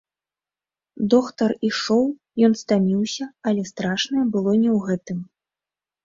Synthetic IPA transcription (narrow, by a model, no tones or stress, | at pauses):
d̪ɔkt̪ɐriʂɔw | jɔnst̪amʲiwsʲɐɐlʲɛst̪ɾaʂnɐjɛbɨlˠɔnʲɛwɣɛt̪ɨm